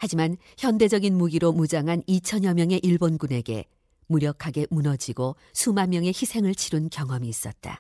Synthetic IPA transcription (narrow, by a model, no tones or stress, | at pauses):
had͡ʑiman | çjʌnde̞d͡ʑʌɡinmuɡiɾomud͡ʑaŋɦanit͡ɕʰʌɲjʌmjʌŋe̞ʔiɭbonɡune̞ɡe̞̰ | muɾjʌkʰaɡe̞munʌd͡ʑiɡo | sʰumanmjʌŋe̞çisʰe̞ŋɯɭt͡ɕʰiɾɯnkjʌŋʌmiːs͈ʌt̚t͈a̰